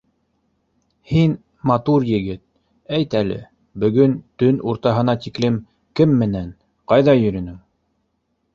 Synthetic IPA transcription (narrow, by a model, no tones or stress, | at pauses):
hin | mɑt̪uɾjɘ̆ɡɘt̪̚ | æjt̪ælɘ̰ | bɵ̆ɡɵnt̪ɵnʔuɾt̪ɑɦɤ̆nɑt̪iklɘm | kɘmːɘ̆næn | qɑjðɑjɵ̆ɾɵ̆nɘŋ